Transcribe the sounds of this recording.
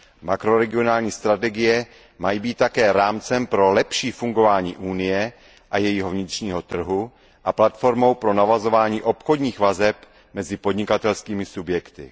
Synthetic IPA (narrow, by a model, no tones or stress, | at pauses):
makɾo̞ɾɛɡɪo̞naːlɲiːst̪ɾat̪ɛɡɪjɛ | majibiːt̪tːakɛːɾaːmt͡sɛmpɾo̞lɛpʃiːfuŋɡo̞vaːɲḭːʔuːnɪjɛ | ʔajɛjɪɦo̞vɲɪt̪r̝̥ɲiːɦo̞t̪r̩ɦu | ʔaplat̪fo̞ɾmo̞wpɾo̞navazo̞vaːɲiːʔo̞pxo̞dɲiːxvazɛp | mɛzɪpodɲɪkat̪ɛlskiːmɪsubjɛkt̪ɪ̰